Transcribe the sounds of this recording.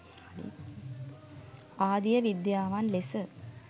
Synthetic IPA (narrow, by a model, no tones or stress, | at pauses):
d̪ḭ | aːd̪ijɐʋid̪jaːʋaːnlesɨ